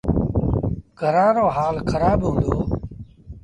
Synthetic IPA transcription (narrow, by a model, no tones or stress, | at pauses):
ɡʱəɾãːɾoːɦaːlkʰəɾaːbɦũːnd̪oː